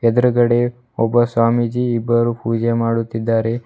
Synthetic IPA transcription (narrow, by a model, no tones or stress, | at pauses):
ɛd̪ɾɐɡɐɽe | ɔbːɐswaːmid͡ʒiːbːɐɾupuːd͡ʒemaːɽut̪ːid̪ːaːɾe